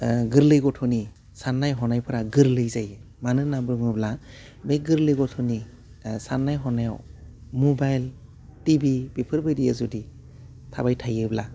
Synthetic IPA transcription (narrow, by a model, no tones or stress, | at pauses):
ɡɯɾlɯjɡɔtʰɔni | sanːajɦɔnajpʰɯɾaɡɯɾlɯjzajɯ | manɯnabɾɯŋɯbla | beɡɯɾlɯjɡɔtʰɔni | sanːajɦɔnawmɔbajl | tibibipʰɯɾbɯjdijazudi | tʰabajtʰajɯbla